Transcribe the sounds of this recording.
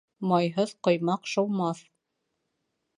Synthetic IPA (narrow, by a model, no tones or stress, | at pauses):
mɑjɦɤðqŏjmɑqʃŏwˠmɑθ